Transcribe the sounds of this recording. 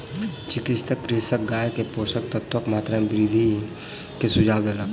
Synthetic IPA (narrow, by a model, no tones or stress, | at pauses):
t͡ʃɪkɪt͡ʃt̪əkːɾɪsək̚ɡaːjkepoːsək̚t̪ət̪ʰwəkmaːt̪ɾabɾid̪ʱi | kesʊd͡ʒaːbd̪elək